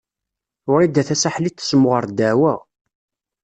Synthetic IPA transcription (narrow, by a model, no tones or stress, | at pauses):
ʊɾid̪æθæsaħlit̪ːə̥smʁəɾd̪æwæ